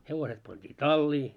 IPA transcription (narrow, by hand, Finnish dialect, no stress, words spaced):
heʋoset pɑntʲiː tɑlːiː